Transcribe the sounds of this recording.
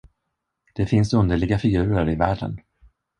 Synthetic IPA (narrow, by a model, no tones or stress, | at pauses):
d̪̥ɛfɪnsɵnd̪əɭɪɡafɪɡʉ̟ːɾəɾɪvæːɖə̰n